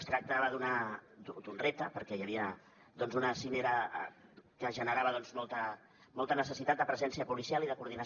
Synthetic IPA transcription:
st̪ɾək̚t̪aβəðunad̪ud̪unrep̚t̪əpəɾkɛjəβiə | d̪ɔnzunəsineɾə | kəʒənəɾaβəðɔnzmɔlˠt̪ə | mɔlˠt̪ənəsəsit̪at̪̚d̪əpɾəzɛnsiəpulisialˠiðəkuɾð̞inə

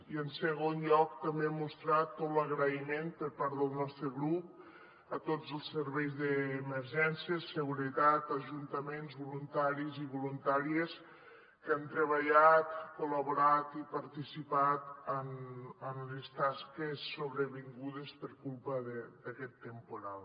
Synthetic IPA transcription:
iənsəɣ̞onʎɔk̚t̪əmbeɛmːust̪ɾat̪ːot̪ləɣɾəimempəɾpaɾðəlˠnɔst̪ɾəɣɾup̚ | ət̪od͡zəlˠsːəɾβɛjzðəːməɾʒɛnsjəsəɣuɾət̪at̪əʒunt̪əmenzβulunt̪aɾiziβulunt̪aɾies | kant̪ɾəβ̞əʎat̪kuləβuɾat̪ipəɾt̪isipat̪ənənlest̪askesːoβɾəβiŋɡuðespəɾkulˠpəðəd̪əkɛt̪ːəmpuɾalˠ

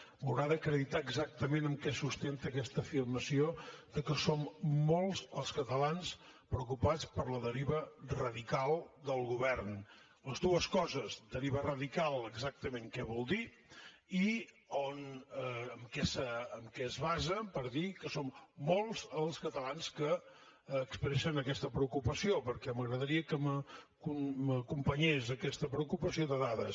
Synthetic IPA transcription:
bəwɾaðəkɾəðit̪aəɡzak̚t̪əmenəmkɛsust̪ent̪əːkɛst̪əːfirməsioðəkəsomːolˠzəlˠskət̪əlanspɾəukupat͡spəɾləðəɾiβərəðikalˠd̪əlˠɣuβɛrn | ləzd̪uəskɔzəzd̪əɾiβərəðikalˠəɡzak̚t̪əmeŋkɛβ̞ɔlˠd̪i | i | onəəmkɛsəəmkɛəzβazəpəɾðikəsomːolˠzəlˠskət̪əlanskəː | kspɾɛʃənəkɛst̪əpɾəukupəsiopəɾkɛməɣɾəðəɾiəkəməkuməkumpəɲezəkɛst̪əpɾəukupəsioðəðaðəs

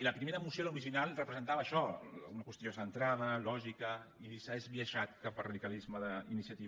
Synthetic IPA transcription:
iləpɾimeɾəːmusjoluɾiʒinalˠrəpɾəzənt̪aβəːʃɔunɐkwəst̪josənt̪ɾaðəlɔʒikəiðisaezβiəʒat̪̚kapərɐðikalizməðəinisiɐt̪iβ

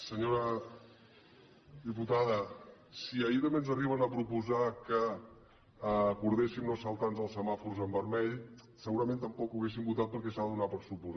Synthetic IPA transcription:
səɲoɾə | ðiput̪aðə | siəit̪əmbenzəriβ̞ənəpɾupuzakə | kuɾðesimnosəlˠt̪anzəlˠsəmafuɾzəmbəɾmɛʎ | səɣuɾəmẽnt̪əmpɔkuwɣes̬imbut̪at̪̚pəɾkɛsaðəðunapəɾsupuza

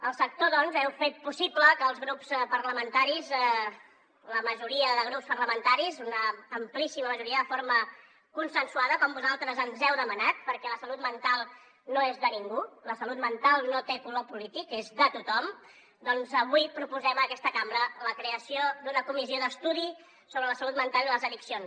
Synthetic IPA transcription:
əlˠsək̚t̪oðɔnzɛwfet̪̚pusipləkəːlˠzɣɾupspəɾləmənt̪aɾizɛ | ləməʒuɾiəðəɣ̞ɾupspərləmənt̪aɾizunəːmplisiməməʒuɾiəðəfoɾmə | kunsənsuaðəkɔmbuzalˠt̪ɾəzənzɛwðəmənat̪̚pəɾkɛləsəlut̪̚mənt̪alˠ | noezðəniŋɡuləsəlut̪mənt̪alˠnot̪ekulopulit̪ikezðət̪ut̪ɔm | d̪ɔnzəβuipɾupuzɛməkɛst̪əkambɾələkɾeəsiod̪unəkumizioðəst̪uði | soβɾələsəlut̪̚mənt̪alˠiləzəðiksions

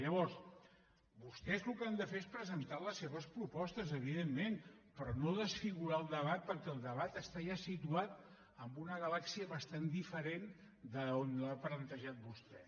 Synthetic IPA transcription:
ʎəβɔɾs | bust̪ɛzlukəand̪əfeespɾəzənt̪aləsːeβəspɾupɔst̪əzəβ̞iðemːenpɾɔnoðəsfiɣuɾaəlˠd̪əβ̞at̪̚pəɾkɛːlˠd̪əβat̪əst̪aʒasit̪uat̪ | əmbunəɣəlaksiəβəst̪and̪ifəɾen | d̪əonlaplənt̪əʒat̪̚bust̪ɛ

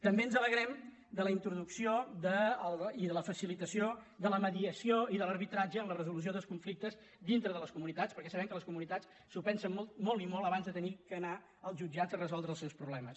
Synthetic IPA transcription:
t̪əmbeənzələɣɾɛm | d̪ələint̪ɾuðuksiod̪əliðələfəsilit̪əsiod̪ələməðiəsioiðələɾβit̪ɾad͡ʒəːmlərəzulus̬ioðəlˠskuɱflik̚t̪əz | d̪int̪ɾəðələskumunit̪at͡spəɾkɛsəβɛmkələskumunit̪at͡s | supɛnsəmːɔlˠt̪̚mɔlˠimɔlˠəβanzðət̪ənikəna | əlˠzʒud͡ʒad͡zərəzɔlˠd̪ɾəlˠsɛwspɾuβlɛməs

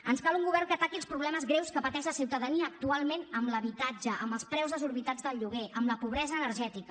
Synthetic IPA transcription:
ənskaluŋɡuβɛrkət̪akilˠspɾuβlɛməzɣɾewskəpət̪ɛʃləsiwt̪əðəniəːk̚t̪ualˠmenəmləβit̪ad͡ʒəʔəmbəlˠspɾɛwzðəzuɾβit̪ad͡zðəlˠʎuɣ̞eʔəmləpuβɾɛzəːnəɾʒɛt̪ikə

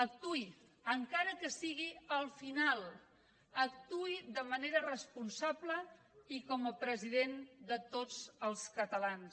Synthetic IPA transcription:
ək̚t̪ui | əŋkaɾəkəsiɣiəlˠfinalˠ | ək̚t̪uiðəməneɾərəspunsablə | ikɔməpɾəziðend̪ət̪od͡zəlˠskət̪əlans

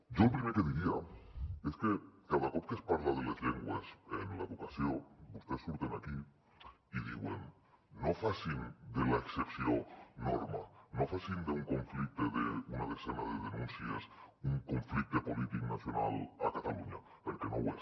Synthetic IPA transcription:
ɟ͡ʝo̞lpɾimeɾkeðiɾiae̞skekaβakopkespaɾt̪aðelasleŋɡwasenlaβokasjo̞ust̪esuɾt̪enaki | iðḭɣwḛnː | o̞fasind̪elaeksepsjono̰ɾmano̞fasind̪euŋko̞ɱflik̚t̪eðeunaβesenaðeðenũnsja̰suŋko̞ɱflik̚t̪epo̞lit̪iknasjo̞nalakat̪aluɲa | peɾkeno̰we

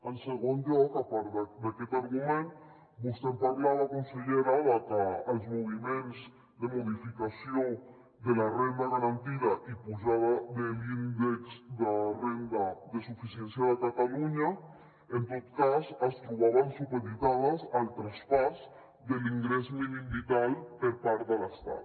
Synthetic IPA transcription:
anseɣund̪okapaɾðad̪aket̪aɾɣumẽn | bust̪emp̪aɾlaðakonseʝeɾaðakaalzmoβimẽns | d̪emoðifikasjoŋ | d̪elarend̪aɣaɾant̪iðaʔipuʃaβaðelind̪eksd̪arend̪aðesufisjensjaðekat̪aluɲa | ent̪ot̪kasast̪ɾuβaβansupeðit̪aðasalt̪ɾaspas | d̪e̞liŋɡɾesminimbit̪alpeɾpaɾt̪alaest̪a̰ð

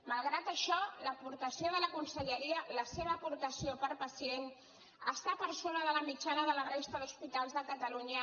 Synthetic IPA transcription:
məlˠɣɾat̪əʃɔləpuɾt̪əsioðələkunsəʎəɾiələseβ̞əːpuɾt̪əsiopəɾpəsien | əst̪apəɾsonəðələmit͡ʃanəðələɣɾɛst̪əðuspit̪alˠzðəkət̪əluɲə

